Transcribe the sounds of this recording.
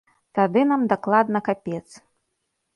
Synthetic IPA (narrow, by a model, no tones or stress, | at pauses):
t̪ad̪ɨnamd̪aklˠad̪nɐkapʲɛt̪s